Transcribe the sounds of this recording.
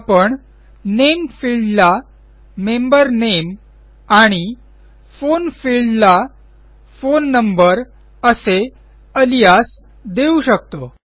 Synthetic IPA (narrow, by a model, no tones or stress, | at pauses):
apəɳ | nemfilɖla | membəɾnem | aɽ̃i | fonfilla | fonːəmbəɾ | əse | əlijas | d̪euɕək̚t̪o